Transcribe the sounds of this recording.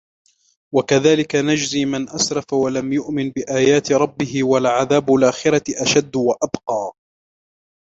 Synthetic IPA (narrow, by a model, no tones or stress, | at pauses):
wakaðaːlɪkanad͡ʒziːmɪnʔasɾˤɑfawalamjʊʔmɪnbɪʔaːjaːt̪ɾˤɑbːɪɦɪwalʕaðaːbalʔaːxɪɾaʔaʃad̪ːwaʔabqɑː